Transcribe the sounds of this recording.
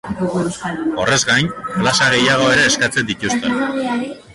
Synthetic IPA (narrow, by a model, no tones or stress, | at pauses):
o̞re̞zɣajnplasaɣ̞e̞jaɣ̞o̞e̞ɾe̞ːskat͡se̞nd̪it̪ust̪e̞n